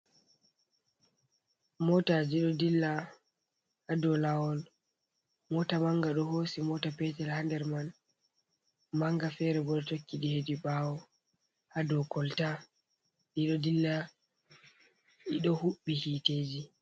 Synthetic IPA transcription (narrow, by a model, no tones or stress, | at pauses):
mɔtad͡ʒiɗɔdilːa | hadɔlawɔl | mɔtamaŋɡaɗɔhoːsimɔtapɛtɛlhandɛɾman | maŋɡafɛɾɛbɔɗɔtokːiɗihediɓaːwɔ | hadɔkɔlta | ɗiɗɔdilːa | ʔiɗɔhuɓːihiteːd͡ʒi